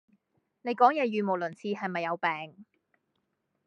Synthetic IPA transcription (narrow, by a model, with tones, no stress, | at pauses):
ne˨˧jkɔː˨˥ŋjɛː˧jyː˨mo˨˩wlɵ˨˩nt͡sʰiː˧ɦɐ˨jmɐ˨jːɐ˨˧wpɛː˨ŋ